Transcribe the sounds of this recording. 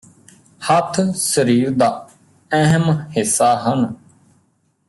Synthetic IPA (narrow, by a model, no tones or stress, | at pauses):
hət̪ʰsəɾiːɾd̪aː | ɛɦəmhɪsːaːɦən